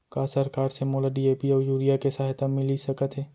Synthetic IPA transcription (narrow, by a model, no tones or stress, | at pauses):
kaːsəɾkaːɾsemoːlaɖieːpiɔːjuːɾijakesaːɦt̪amɪlisɐkət̪ɦɛː